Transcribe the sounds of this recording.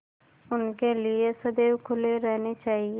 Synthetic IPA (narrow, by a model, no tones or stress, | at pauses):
ʊnkeːlɪesəd̪eːkʰʊleɾɛːneːt͡ʃaːɦieː